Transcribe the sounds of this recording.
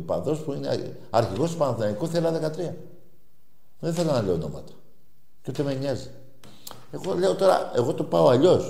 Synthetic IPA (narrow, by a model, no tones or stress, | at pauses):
pɐ̰nðo̞spuinḛ | ɐɾçiɣo̞spɐnθinɐnikoθelɐðe̞kɐt̪ɾiɐ | ðeθe̞lonɐle̞ono̞̰mɐ̰t̪ɐ̥ | co̞t̪emeɲɐzi̥ | e̞ɣo̞le̞o̞t̪o̞ɾɐ̰e̞ɣo̞t̪opɐo̞ɐʎo̞s